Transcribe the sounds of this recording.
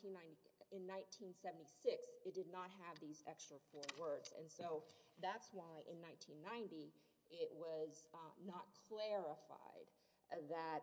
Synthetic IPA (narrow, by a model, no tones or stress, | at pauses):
ĩnːãɪ̃niɪ̃nːãɪ̃ntʰĩnsɛvn̩tisɪksɨt̚d̥ɨdⁿnət̚ɦɨvðizɛkstɹ̥əfɔɹwɜ˞dzɨ̰̃nsoʊðætswaɪʔɨ̃nːãɪ̃ntʰĩnːãɪ̃nti | ɪʔ̚wʌznət̚kʰl̥ɛɹəfa̰ɪd̪̚ | ðɨt̚